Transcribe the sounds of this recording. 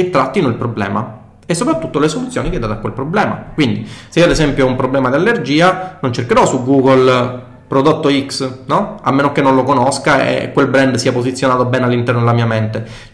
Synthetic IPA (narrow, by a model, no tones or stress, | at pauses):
t̪ːɾat̪ːinoilpɾoblɛ̰ːma̰ | esːopɾat̪ːut̪ːolesolut̪sːjoːnikɛd̪aːt̪akːwelpɾoblɛːma̰kwind̪iseiːoad̪esɛmpjoumpɾoblɛːmad̪ialːerd͡ʒiːanont͡ʃerkeɾɔsuɡuːɡol | pɾod̪ot̪ːoiksnɔa̰lmːeːnokenːonlokonoskaḛkːwelbɾɛnd̪siːapozit̪sːjonaːt̪obɛːnalːint̪ɛrnod̪elamiːament̪e